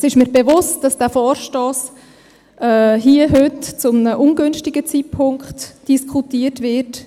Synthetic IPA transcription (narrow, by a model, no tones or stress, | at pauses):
sɪʃmiːɾbevʊstd̥ɑsd̥æːfɔːɾʃtɔːs | ʔɛɦiːəɦøtt͡sʊmənəʔʊnɡønʃtɪɡət͡siːpʰʊŋkχtd̥iskʰutiːətʋɪɾt